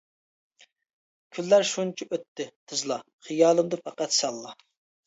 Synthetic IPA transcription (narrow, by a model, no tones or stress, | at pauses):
kʲʰylːæɾʃunt͡ʃʰiʔøt̪ːɪt̪ʰɨzlˠɑ | χijɑːlˠɨmd̪ɨfɑqɑt̪sɑlˠːɑ